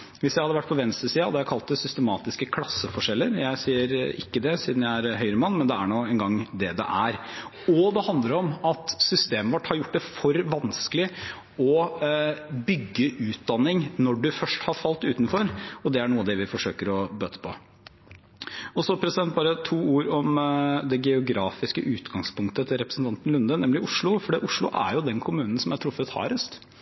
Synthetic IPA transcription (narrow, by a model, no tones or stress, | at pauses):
ʋɪsjæɪhɑd̪əʋæʈ̚ːpʰɔʋɛnst̪ɾəsiːɑd̪ɛæɾkʰɑlt̪d̪ɛsʏst̪əmɑːt̪ɪskəkʰlɑsːəfɔʂɛlːəɾjæɪsiːəɾɪ̰kːəd̪ɛsiːd̪n̩jæɪæɾɦœʏɾəmɑnːmɛnd̪ɛæɳoːɛnɡɑŋd̪ɛd̪ɛ̰ʔæɾ | ɔd̪ɛhɑnd̪ləɾɔmɑt̪sʏst̪eːməʋɑʈːhɑɾjʊʈ̚ːd̪ɛfɔɾʋɑnskəlɪ | ɔ | bʏɡːəʔʉːt̪̚d̪ɑnːɪŋnɔɖʉfœʂʈhɑɾfɑlt̪ʉːt̪nfɔɾɔd̪ɛæɳuːəɑd̪ɛʋɪfɔʂøːkəɾɔbøːt̪ə̥pʰɔ̰ | ɔsɔpʰɾɛsɪd̪ɛnt̪̚bɑːɾət̪ʰuːuːɾɔmd̪ɛɡɛʊɡɾɑːfɪskəʔʉːt̪ɡɑŋspʊŋkt̪ət̪ʰɪlɾɛpɾəsn̩t̪ɑnt̪n̩lʉnd̪ənɛmlɪʔʊʂɭʊfɔɖiːʔʊʂɭʊʔæ̰ɾjʊd̪ɛnkʰʊmʉːnən̩sɔmæʈ̪ʰɾʊfːət̪hɑ̰ːɾəst̪